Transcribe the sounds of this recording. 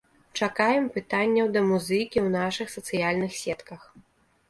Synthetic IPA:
t͡ʂakajɛmpɨt̪anʲːɐwd̪ɐmuzɨkʲiwnaʂɨxsɐt̪sɨjalʲnɨxsʲɛt̪kɐx

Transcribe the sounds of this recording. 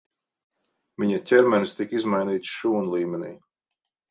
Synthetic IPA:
viɲatʲʰɛɾmʲɛnst̪ikizmajniːt̪sʃuːnulˠiːmʲɛnʲḭː

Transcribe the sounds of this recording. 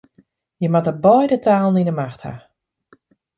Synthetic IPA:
jəmatəbɔjdətʰaːlˠn̩inəmaxtha̰

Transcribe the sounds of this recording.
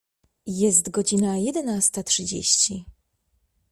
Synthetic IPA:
jɛst̪ɡɔd͡ʑinajɛd̪ɛnast̪atʂɘd͡ʑḛɕt͡ɕi

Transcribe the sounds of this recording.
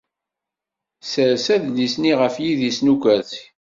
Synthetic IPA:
səɾsæðlisniʁəfjiðisnukʷæθ

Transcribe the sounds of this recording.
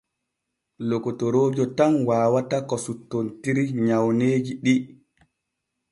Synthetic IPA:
lokːotoɾoːd͡ʒɔtanwaːwatakɔsutːontiɾiɲawneːd͡ʒiɗi

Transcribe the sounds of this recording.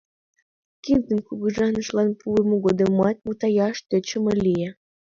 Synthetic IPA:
kind̪ə̆nkuɣɤ̆ʒɑnə̆ʃlɑnpʰuemuɣod̪ɤmɑt̪̚ʲmut̪ɑjɑʃt̪øt͡ɕə̆mɤlʲije

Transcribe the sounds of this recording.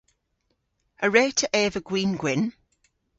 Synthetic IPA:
əɹɛːtʰəʔɛːvəɡ̥wĩːnɡwɪn

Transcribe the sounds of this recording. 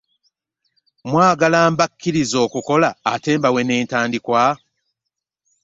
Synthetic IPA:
mwaːɡalaːmbakʰːiɾizo̞ːkuko̞laːte̞ːmbawe̞ne̞ːntaːndikwa

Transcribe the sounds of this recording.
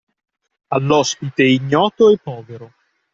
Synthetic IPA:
alːɔspit̪eiɲːɔːt̪oɛpːɔːveɾo

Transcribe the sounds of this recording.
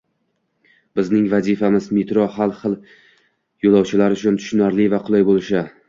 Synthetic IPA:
bɪznɪŋvazifamɪzmet̪ɾohalˠχɨlˠ | jolˠɒwt͡ʃʰɪlaɾʊt͡ʃʰʊnt̪ʰʊ̥ʃnaɾlɪvaqʰʊlˠajbolɪʃa

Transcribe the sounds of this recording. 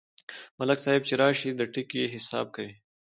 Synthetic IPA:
mɐlɐksaːɦɪb̚t͡ɕeɾaːʃid̪ɐʈikjeɦɪsa̰ːb̚kɐwiː

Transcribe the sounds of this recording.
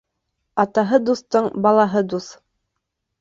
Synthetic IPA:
ɑt̪ɑɦɤd̪uθt̪ɤɴbɑlˠɑɦɤd̪uθ

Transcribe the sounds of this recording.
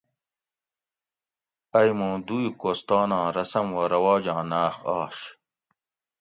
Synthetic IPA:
ɐjmũːd̪uːjkoːst̪ɑːnãːɾɐsɐmwɐɾɐwaːd͡ʑãːnaːxaːɕ

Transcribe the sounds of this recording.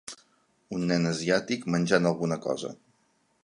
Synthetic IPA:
unːɛnəziat̪ikmənʲʒanəlˠɣunəkɔ̰zə̰

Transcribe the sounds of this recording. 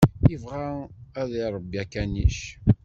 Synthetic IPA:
əvʁaæðiɾˤəbːiækːæniʃ

